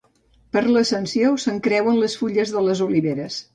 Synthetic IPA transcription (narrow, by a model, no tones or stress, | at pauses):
pəɾləsənsiosəŋkɾɛwənləsfuʎəzðələzuliβeɾəs